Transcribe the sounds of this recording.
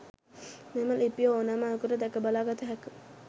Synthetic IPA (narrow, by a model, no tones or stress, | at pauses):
meməlipjoonamakuɾəd̪ɛkəbalaːɡat̪əɦɛkə